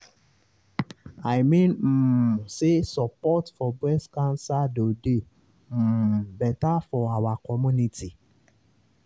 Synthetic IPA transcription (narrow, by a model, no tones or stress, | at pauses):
ajmĩn̩sesɔpɔtfɔbɾɛskãnsadode | m̩bɛtafɔawakɔmũnĩti